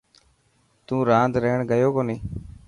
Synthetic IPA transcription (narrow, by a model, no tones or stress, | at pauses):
t̪ũːɾãːnd̪ɾəːɳɡəjoːkoːniː